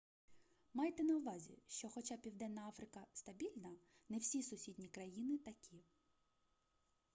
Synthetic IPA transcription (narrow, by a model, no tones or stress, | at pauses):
mɑjt̪ɛnɐʊʋɑzʲḭʃt͡ʃɔxɔt͡ʃɑpʲiwd̪ɛnːɐɑfɾɪkɐst̪ɐbʲilʲnɐnɛwsʲisʊsʲid̪ʲnʲikɾɐjinɪt̪ɐkʲʰi